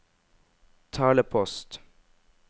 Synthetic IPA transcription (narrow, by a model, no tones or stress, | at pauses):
t̪ʰɑːləpʰɔst̪